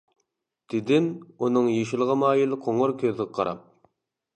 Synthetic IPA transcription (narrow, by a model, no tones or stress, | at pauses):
d̪̥ɪd̪ɪnunɨŋjeʃɪlˠʁɑmɑːjilˠqʰoŋʊɾkʲʰøzɪʁɑqʰɑ̰ɾʔɑ̰p̚